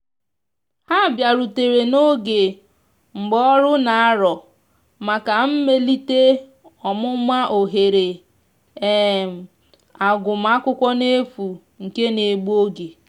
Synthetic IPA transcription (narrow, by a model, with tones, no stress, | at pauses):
ha˦˨bja˨ɾu˨te˨ɾe˨no˦ɡe˨ | ŋ͡m̩˨ɡ͡bɔ˦ɾʊ˦na˨a˦ɾɔ˨ | ma˨ka˨m̩˦me˦li˦te˦ | ɔ˨mʊ˦ma˦ʔo˨ɦe˨ɾe˨ | e˦˨m̩˨ | a˨ɡʊ˨m̩˦a˦kʷʊ˦kʷɔ˦ne˦fu˨ | ŋ̩˨ke˦ne˨ɡ͡bu˦o˦ɡe˨